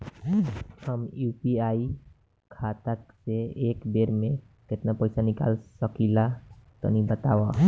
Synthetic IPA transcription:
həmjuːpiai | kʰat̪akseekbeɾmẽ | ket̪napəjsanɪka̰lsəkilat̪ɔ̰nibət̪awa

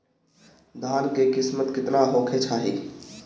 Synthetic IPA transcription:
d̪ʱaːnkekɪsmət̪kɪt̪naɦoːkʰet͡ʃʰaːɦḭ

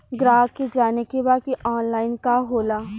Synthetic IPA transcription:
ɡɾaːked͡ʒaːnekebaːkiʔɔːnlaːɪnkaɦoːlaː

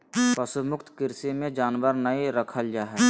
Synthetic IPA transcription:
pɐsʊmʊkt̪kɪɾsemẽd͡ʒaːnʋəɾnəiɾɐkʰəld͡ʒaːɦɛ

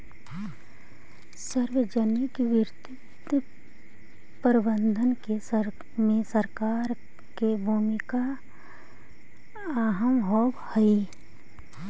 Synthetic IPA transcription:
səɾʋed͡ʒənɪkʋɪɾt̪ɪt̪ | pəɾɪbə̃nd̪ʱənkesə | mẽsəɾkaːɾ | kebʱuːmika | aːɦəmɦɔːbhəi

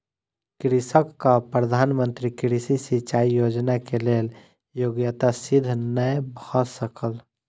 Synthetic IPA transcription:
kɾisəkːapɾəd̪ʱanmənt̪ɾikɾisisit͡ʃaijod͡ʒnakelel | joɡjət̪asid̪ʱnəjbʱɔsəkəl

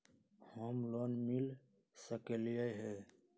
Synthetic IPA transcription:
hɔmlonmil | səkelijəɦɛ

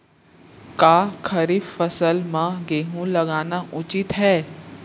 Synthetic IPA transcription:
kaːkʰɐɾɪffɐsəlmãɡeːɦũlɐɡaːnaʔʊt͡ʃɪt̪ɦɛː

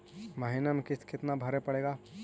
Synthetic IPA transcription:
məɦɪnəmkɪtkɪt̪nabʱɐɾepɐɽeːɡaː

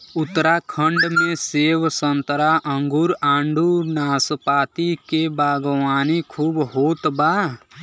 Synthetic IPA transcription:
ʊt̪ːɾakʰə̃ɳɖmẽseːwsə̃nt̪əɾaʔə̃ŋɡuɾãːɳɖunaːspaːt̪ikebaːɡwaːnikʰuːbɦoːt̪baː

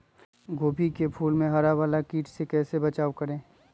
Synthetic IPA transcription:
ɡoːbikepʰuːlmẽɦɐɾaʋaːlakiːʈsekɛːsebɐt͡ʃaːʋkɐɾẽː

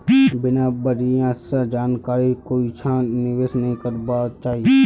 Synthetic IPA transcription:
bɪnabəɾijãsad͡ʒaːnkaːɾikoːit͡ʃʰãːnɪʋeːsnəɦĩkəɾbaːt͡ʃaːɦie

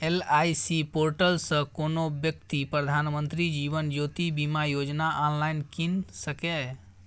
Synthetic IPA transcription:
elaːisipoːɾʈəlsə̃konobjək̚t̪ipɾəd̪ʱaːnmə̃nt̪ɾid͡ʒiːʋənd͡ʒoːt̪ibimajoːd͡ʒnaʔɔːnlaːɪnkinsəkɛ

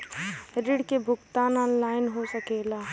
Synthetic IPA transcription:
ɾiɽkebʱʊkt̪aːnɔːnlaːɪnɦosəkeːlaː

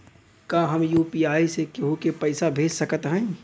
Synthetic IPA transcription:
kaːɦəmjuːpiaːisekeɦokepɐɪsabʱeːd͡ʒsɐkət̪ɦɛ̃ː

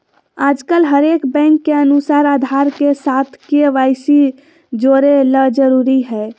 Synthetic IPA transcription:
aːd͡ʒkəlɦəɾekbɛ̃ŋkːeənusaːɾad̪ʱaɾkesat̪ʰkeʋaɪsi | d͡ʒoɾeləd͡ʒəɾuɾiɦɛ

